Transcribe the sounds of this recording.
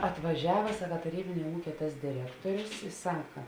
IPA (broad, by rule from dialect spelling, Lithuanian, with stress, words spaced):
ɐtʋɐˈʒʲæːʋɐ ˈsɑːkɐ tɐˈrʲiːbʲɪnʲeː ˈuːkʲeː tɐs dʲɪˈrʲæːktoːrʲʊs ɪ ˈsɑːkɐ